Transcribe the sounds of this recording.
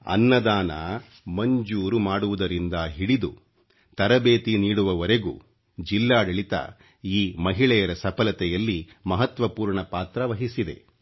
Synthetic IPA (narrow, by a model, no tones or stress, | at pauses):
ɐ̰nːɐd̪aːnɐ | mɐɲd͡ʒuːɾumaːɽuʋud̪ɐɾind̪ɐɦiɽid̪u | t̪ɐɾɐbeːt̪iniːɽuʋɐʋɐɾeɡṵː | d͡ʒilːaːɖɐɭit̪ɐ̰ | iːmɐɦiɭɛjɐɾɐsɐpɐlɐt̪ɛjɐlːi | mɐɦɐt̪ʋɐpuːɾɳɐpaːt̪ɾɐʋɐɦisid̪e̞̰